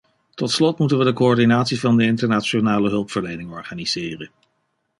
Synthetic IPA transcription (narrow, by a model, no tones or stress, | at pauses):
tɔtslɔtmutənʋədəkoɔɹdinaːtsivɑndəɪntəɹnaːt͡ʃonaːləɦɵlˠpfəɹlejnɪŋɔɹχaːniz̥ɪːrən